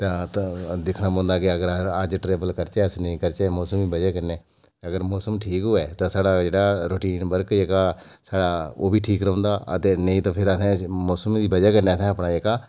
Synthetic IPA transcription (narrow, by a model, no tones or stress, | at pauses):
t̪ãːt̪ːd̪ɪkʰnaːpõːnd̪aːkɪəɡəɾəd͡ʒʈɾeːbəlkəɾt͡ʃɛːəsnəĩːkəɾt͡ʃɛːmɔːsəmiːbəd͡ʒɛːkənɛː | əɡəɾmɔːsəmʈʰiːkɦoːɛːt̪ãːsaːɽaːd͡ʒeːɽaːɾoːʈiːnbəɾkd͡ʒeːkaːsaːɽaːoːbʱiːʈʰiːkɾə̃õːnd̪aːə̰t̪eːnəĩːt̪ãːpʰɪɾəsɛ̃ːmɔːsəmːd̪iːbəd͡ʒɛːkəɾnɛːsɛ̃ːəpnaːd͡ʒeːkaː